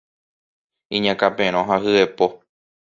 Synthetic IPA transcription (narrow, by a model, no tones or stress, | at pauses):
ĩɲãkapẽɾ̃õɦahɨepo̞